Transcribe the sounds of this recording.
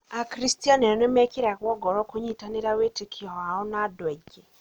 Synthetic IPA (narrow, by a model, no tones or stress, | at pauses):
akɾistianɛɔnemɛkeɾakwɔɡɔɾɔkoɲitaneɾawetekʰiɔaɔnadwɛd͡ʒɛ